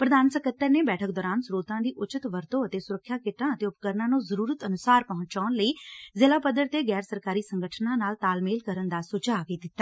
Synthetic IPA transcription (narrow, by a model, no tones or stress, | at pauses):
pɾəd̪aːnsəkʰət̪ːəɾneːbɛːʈʰək̚d̪ɔːɾaːnsɾoːt̪ãːd̪iːʔʊt͡ʃət̪ʋəɾt̪õːət̪eːsʊɾəkʰːjaːkɪʈãːət̪eːʊpkəɾnãːnũːzəɾuːɾət̪ənʊsaːɾpəɦʊ̃ɲt͡ʃt͡ʃaːnləiːzɪlaːpəd̪əɾt̪eːɡɛːɾsəɾkaːɾiːsəŋɡəʈʰnãːnaːlt̪aːlmeːlkəɾənd̪aːsʊd͡ʒaːɡiːd̪ɪt̪ːaː